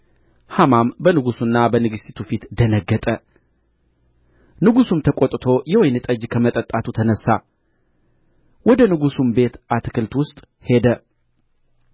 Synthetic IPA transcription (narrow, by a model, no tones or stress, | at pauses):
hamambənɨɡusunːabənɨɡɨst̪it̪ʰufit̪d̪ənəɡːət̪ʼə | nɨɡusumt̪ʰəkʼot̪ʼt̪ʰo̞jɛwojnɨt̪ʼəd͡ʒkʰəmət̪ʼət̪ʼːat̪ʰut̪ʰənəsːa̰ | wɔd̪ənɨɡusumbe̞t̪ʔat̪kʰɨlt̪wʊst̪ʼ | he̞d̪ə